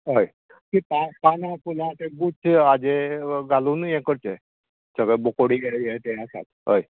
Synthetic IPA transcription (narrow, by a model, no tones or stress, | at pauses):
ɦəj | k̪ipapanãpulãt̪eɡut͡sʰad͡ʑeɡaluːnjẽkəɾt͡ɕe | səɡəbokoɽiɡeɽejet̪easa̰t̪ɦə̰j